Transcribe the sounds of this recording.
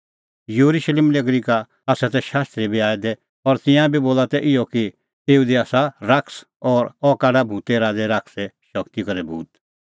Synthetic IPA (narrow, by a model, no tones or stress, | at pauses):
juɾuʃleːmleɡɾika | aːsat̪ɛʃaːst̪ɾibʱiaːɛd̪ɛ | ɔɾt̪ɪ̃jãbiboːlat̪ɛʔɪjɔki | eːud̪iaːsaɾakʰs | ɔːɾɔkaːɖabʱũːt̪ɛɾaːd̪ɛɾaksɛʃɔkt̪ikɐɾɛbʱṵːt̪